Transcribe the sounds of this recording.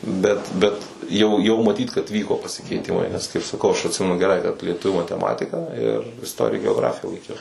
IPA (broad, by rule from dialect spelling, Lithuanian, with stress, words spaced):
ˈbʲɛt bʲɛt ˈjɛʊ ˈjɛʊ mɐˈtʲiːt kɐt ˈʋʲiːkoː pɐsʲɪkʲɛɪˈtʲɪmɐɪ nʲɛs kɐɪp sɐˈkɐʊ ˈɐʃ ɐtʲˈsʲɪmʲɛnʊ ɡʲɛˈrɐɪ kɐt lʲiɛˈtʊʋʲuː mɐtʲɛˈmɑːtʲɪkɐ ɪr ɪsˈtoːrʲɪjɛ ɡʲɛoːˈɡrɑːfʲɪjɛ lˠɐɪˈkʲɛʊ